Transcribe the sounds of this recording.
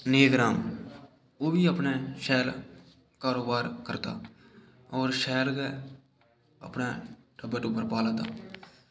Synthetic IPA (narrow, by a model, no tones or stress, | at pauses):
neːɡɾaːm | oːbiːəpneːʃɛːl | kaːɾoːbaːɾkəɾt̪a̰ː | ɔːɾʃɛːlɡɛː | ə̰pneːʈʰəbːəʈʊpːəɾpaːlaːt̪aː